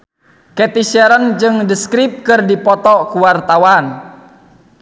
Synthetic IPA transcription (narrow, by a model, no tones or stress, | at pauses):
kɛt̪iʃɛɾənd͡ʒɨŋdəskɾip̚kɨrdipɔt̪ɔkuwart̪awan